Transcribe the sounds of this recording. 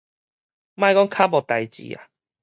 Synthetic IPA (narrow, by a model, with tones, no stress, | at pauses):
mã˥˧jkɔ˦˥ŋkʰa˦bɔ˨t̪a˨jt͡ɕḭ˨a̰˨